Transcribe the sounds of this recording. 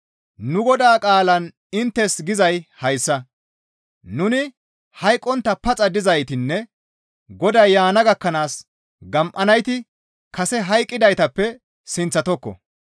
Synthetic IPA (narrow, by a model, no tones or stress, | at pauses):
nʊɡɔd̪aːkʼaːlɐn | ɪnt̪ːɛsɡɪzɐjhɐjsːɐ | nʊnɪ | hɐjkʼːɔnt̪ːɐpɐt͡sʼɐd̪ɪzɐjt̪ɪnːɛ | ɡɔd̪ɐjːaːnɐɡɐkːɐnaːs | ɡɐmʔɐnɐjt̪ɪ | kɐsɛɦɐjkʼːɪd̪ɐjt̪ɐpːɛ | sɪnt͡sːɐt̪ɔkːɔ̰